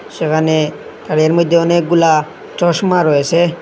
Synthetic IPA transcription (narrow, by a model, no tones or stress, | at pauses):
ʃekʰane | t̪aɽeɾmojd̪ʱːeɔnek̚ɡula | t͡ʃɔʃmaɾojet͡ɕʰe